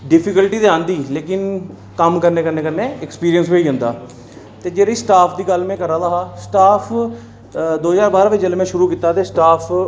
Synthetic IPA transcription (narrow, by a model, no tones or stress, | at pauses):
ɖɪpʰɪkəlʈiːd̪eãːnd̪iːleːkɪn | kəmkəɾneːkəneːkənːeːɛkspiːɾijəns̬ʋeiːʊ̃nd̪a̰ː | t̪eːd͡ʒeːɾeisʈaːpʰd̪iːɡəlmɛ̃ːkəɾaːd̪aːɦaːsʈaːpʰ | d̪oːzaːɾbaːɾaːʋɪd͡ʒelmɛ̃ːʃʊɾuːkiːt̪aːt̪eːsʈaːpʰ